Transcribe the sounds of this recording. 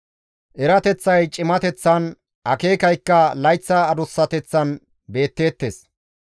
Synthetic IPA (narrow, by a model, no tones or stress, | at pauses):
ʔɛɾɐt̪ɛt͡sːɐjt͡ʃʼɪmɐt̪ɛt͡sːɐn | ʔɐke̞ːkɐjkːɐlɐjt͡sːɐːd̪ʊsːɐt̪ɛt͡sːɐn | be̞ːt̪ːe̞ːt̪ːeːs